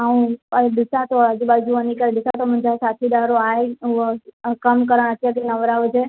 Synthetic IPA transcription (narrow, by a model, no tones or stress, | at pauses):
aũəd̪ɪsat̪oad͡ʒubad͡ʒuənikəɾd̪ɪsat̪omə̃nd͡ʒasat̪ʰid̪aɾoae | kəmkəɾəɳ̃ət̪jak̬enəʋɾaʋt͡ʃʰe